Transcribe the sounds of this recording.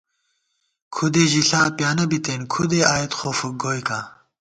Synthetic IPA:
kʰud̪eːʑiɬaːpjaːnɐbit̪eːnkʰud̪eaːjet̪xoːfuɡoːjkãː

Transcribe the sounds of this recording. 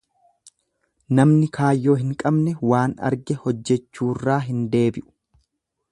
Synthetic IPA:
nɐmnɪkʰaːjːo̞ːɦɪŋkʼɐbnɛwaːnɐ̰ɾɡɛhɔd͡ʒːɛt͡ʃːuːrːaːɦɪnd̪e̞ːbɪʔʊ̥

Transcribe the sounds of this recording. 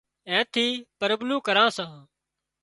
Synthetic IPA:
ɛ̃ːt̪ʰiːpəɾəblũːkəɾãːsãː

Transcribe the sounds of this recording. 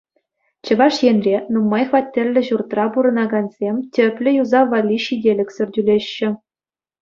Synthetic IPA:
t͡ɕɤ̆ʋɑʂjenʲrʲenumːɑjχʋɑtʲːĕlʲːɘ̆ʑurt̪rɑpuɾɤ̆nɑɡɑnzʲemʲtʲɘ̆pʲlʲɘ̆juzɑʋɑlʲːiɕidʲelʲɘ̆kʲsʲɘ̆rʲdʲylʲeɕːɘ̆

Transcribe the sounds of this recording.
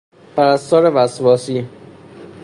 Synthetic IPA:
pʰæɾæst̪ɒːɾevæsvɒːsiː

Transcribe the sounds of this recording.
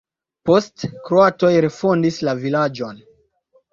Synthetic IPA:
po̞stkɾoato̞jɾe̞fo̞ndislavilad͡ʒo̞n

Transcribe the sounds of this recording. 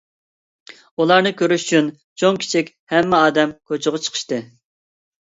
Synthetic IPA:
ulˠɑɾnɨkʲøɾyʃy̥t͡ʃʰyn | t͡ʃʰoŋkʲʰi̥t͡ʃʰikʲhɛmːɪɑːd̪ɛmkʰot͡ʃʰʊʁʊt͡ʃʰə̥qʰə̥ʃt̪ɨ

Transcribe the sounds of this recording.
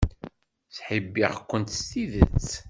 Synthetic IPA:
θħəbːiʁkʷːənt̪st̪iðət͡sː

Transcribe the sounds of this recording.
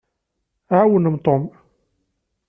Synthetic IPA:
ʕawənəmt̪ˤom

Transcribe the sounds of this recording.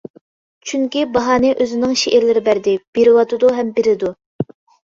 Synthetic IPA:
t͡ʃʰyŋkʲibɑɦɑːnɨʔøzɪnɪŋʃeʔeɾlɪɾɪbæɾd̪ɪb̥eɾɪwɑt̪ʰɨd̪uɦɛmbeɾɪd̪u

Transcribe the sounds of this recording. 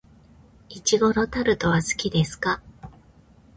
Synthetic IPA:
it͡ɕiɡo̞ɾo̞t̪aɾɯ̟t̪o̞βasɨ̥kʲid̪e̞sɨ̥ka

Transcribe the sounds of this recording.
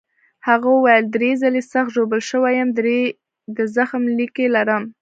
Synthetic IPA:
haɣawajəld̪ɾezalesaxt̪ʒobəlʃəwajəmd̪ɾe | d̪əzaxmlikelaɾəm

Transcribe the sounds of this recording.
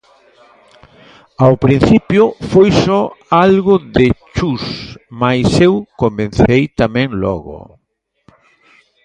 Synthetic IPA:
awpɾin̟θipjʊfojsɔalɣʊðet͡ʃusmajsewkomẽn̟θejt̪amɛ̃ŋlɔ̰ɣʊ̰

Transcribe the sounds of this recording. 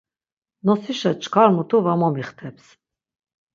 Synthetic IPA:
nɔsiʃat͡ʃʼkʰaɾmut̪ʰuvamɔmiχt̪ʰɛps

